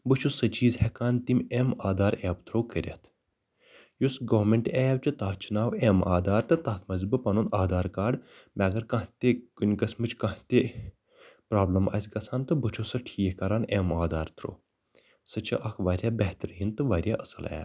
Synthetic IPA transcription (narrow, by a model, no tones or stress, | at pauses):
bɨt͡ʃʰusɐt͡ʃʰiːzhekaːnt̪imʲemaːd̪aːɾeːbt̪ɾoːkəɾʲɐ̰t̪ʰ | jusɡɐːʋmeɳʈeːjbt͡ʃɐt̪aːt͡ʃʰinaːweːmaːd̪aːɾt̪ɨt̪ɐt̪ʰmɐzʲbɨpɐnunaːd̪aːɾkaːɖ | mʲaːɡɐɾkɐ̃ɦt̪ʲeɡunʲkɐsʲmɨt͡ʃkɐ̃ht̪e | pɾaːblɐmɐ̰sʲɡɐsʰaːnt̪ɨbɨt͡ʃʰosɐʈʰiːhkɐɾaːnemaːd̪aːɾt̪ɾo̰ː | sɐt͡ʃʰɐ̰ʔɐkʰʋaːɾʲjaːbɐht̪ɐɾɦint̪ɨʋaːɾʲjaːʔɐsɐ̰lḛː